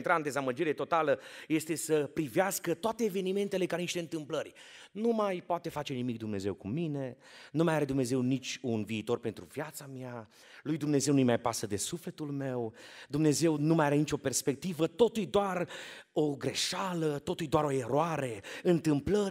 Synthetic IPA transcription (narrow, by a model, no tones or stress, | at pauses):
nt̪ɾaɨnd̪ezaməd͡ʒiɾe̞t̪o̞t̪aləje̞st̪e̞səpɾiveaskət̪oat̪eːve̞nime̞nt̪ele̞kaniʃt̪eɨnt̪ɨmplərʲnumajpoat̪e̞fat͡ʃe̞nimik̚d̪umne̞ze̞wkumine̞ | numajaɾe̞d̪umne̞ze̞wnit͡ʃʲunviːt̪o̞rpe̞nt̪ɾuvjat̪samja | lujd̪umne̞zewnujmajpasəd̪e̞sufle̞t̪ulme̞wd̪umne̞ze̞wnumajaɾe̞nit͡ʃʲo̞pe̞rspe̞k̚t̪ivət̪o̞t̪ujd̪oaro̞ɡɾe̞ʃalət̪o̞t̪ujd̪oaɾo̞e̞ɾoaɾeɨnt̪ɨmplə